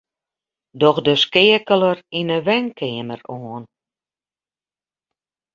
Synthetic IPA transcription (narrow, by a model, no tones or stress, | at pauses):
dɔxdəskɪəkələrinəʋɛŋkʰɪːəməroːn